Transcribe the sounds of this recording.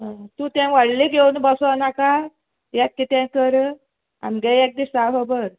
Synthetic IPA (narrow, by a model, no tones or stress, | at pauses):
ɦə̃t̪ũt̪ɛ̃ʋaɽleɡewnbəsɔanaka | jat̪̚kit̪ɛ̃kəɾ | a̰mɡɛek̚d̪isaɦəbəɾ